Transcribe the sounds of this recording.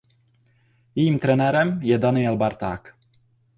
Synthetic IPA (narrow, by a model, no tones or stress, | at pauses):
jɛjiːmt̪ɾɛnɛɾɛmjɛdanɪɛlbaɾt̪a̰ːk